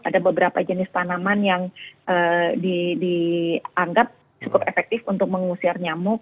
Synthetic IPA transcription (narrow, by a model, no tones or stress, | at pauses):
ʔadabəbəɾapad͡ʒənɪst̪anamanjaŋʔədidiaŋɡap̚ | t͡ʃukʊpefɛk̚t̪ɪfunt̪ʊk̚məŋusiarɲamʊk̚